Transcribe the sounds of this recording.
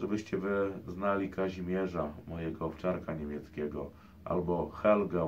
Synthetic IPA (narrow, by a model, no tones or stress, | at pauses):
ʐɛbɘɕt͡ɕɛvɘznalʲikʰaʑimʲjɛʐamɔjɛɡɔːpt͡ʂaɾkaɲemʲjɛt̪skʲɛɡɔ̰ | ʔa̰lbɔxɛlɡa